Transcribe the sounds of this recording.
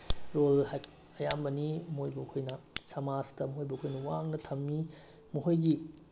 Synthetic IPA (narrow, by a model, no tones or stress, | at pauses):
ɾolha | ɐjambɐnimojbɐkʰojnɐsɐmastɐmuɦojbɐkʰojnɐwaŋnɐtʰɐmːi | muɦojɡi